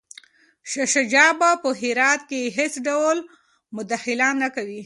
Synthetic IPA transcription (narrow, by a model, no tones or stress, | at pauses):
ʃaʃad͡ʒɑbapəɦɪɾɑt̪̚keɦet͡sɖawl | mʊd̪axɪlɑnːakawi